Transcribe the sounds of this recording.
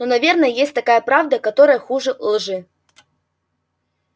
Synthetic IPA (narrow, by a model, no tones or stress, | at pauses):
nɔnavʲɛrnɐjɐjesʲtʲt̪akajɐpɾawd̪ɐkat̪ɔɾɐjɐxuʐɨlˠʐɨ